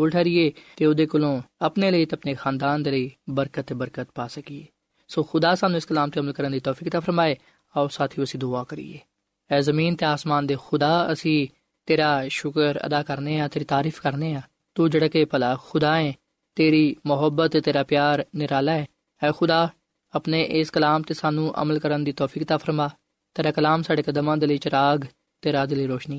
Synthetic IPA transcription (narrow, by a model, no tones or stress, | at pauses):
oːlʈʰɛːɾieːt̪eːʊd̪eːkʊlõːəpneːləiːt̪eəpneːxãːnd̪aːnd̪eːləiːbəɾkət̪ːeːbəɾkət̪̚paːsəkiːeː | soːxʊd̪aːsaːnũːɪskəlaːmt̪eːəməlkəɾənd̪iːt̪ɔːfiːkt̪aːfʰəɾmaːeː | aosaːt̪ʰijũəsĩːd̪oaːkəɾḭːḛː | ɛːzəmĩːnt̪eːaːsmaːnd̪eːxʊd̪aːəsĩː | t̪eːɾaːʃʊkəɾə̰d̪aːkəɾneːaːt̪eːɾiːt̪aːɾiːfʰkəɾneːaː | t̪uːd͡ʒəɽkeːpəlaːxʰʊd̪aːɛ̃ː | t̪eːɾiːmʊɦəbət̪ːt̪eːɾaːpjaːɾnɪɾaːlaːɛː | ɛːxʊd̪aː | əpneːʔɪskəlaːmt̪eːsaːnũːʔə̰məlkəɾənd̪iːt̪ɔːpʰiːkt̪aːfʰəɾmaː | t̪eːɾaːkəlaːmsaːɖeːkəd̪mãːd̪eːləiːt͡ʃəɾaːɡ | t̪eːɾaːd̪eːləiːɾoːʃniː